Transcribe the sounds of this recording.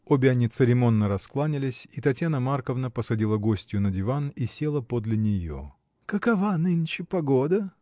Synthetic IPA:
o̞bʲɪɐnʲit̪sɨɾʲɪmo̞nːəɾɐsklˠanʲɪlʲɪsʲit̪ɐtʲjanəmarkəvnəpəsɐdʲilˠəɡo̞sʲtʲjʊnədʲɪvanisʲe̞lˠəpod̪lʲɪnʲɪjo̰ | kəkɐvanɨnʲt͡ɕɪpɐɡod̪ə

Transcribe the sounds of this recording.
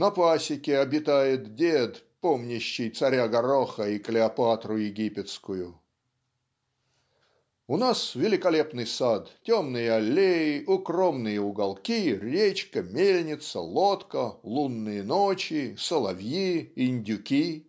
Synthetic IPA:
nɐpasʲɪkʲɪɐbʲɪt̪ajɪt̪dʲed̪ | pomnʲɪɕːɪjt̪sɐɾʲaɡɐɾoxəiklʲɪɐpat̪ɾʊjɪɡʲipʲɪt̪skʊjʊ | ʊnasvʲɪlʲɪkɐlʲe̞pnɨjsat̪tʲomnɨjəɐlʲːejɪʔʊkromnɨjəʊɡɐlˠkʲirʲet͡ɕkəmʲelʲnʲɪt̪sə̰lˠot̪kəlˠunːɨjənot͡ɕɪsəlˠɐvjiɪnʲdʲʊkʲi

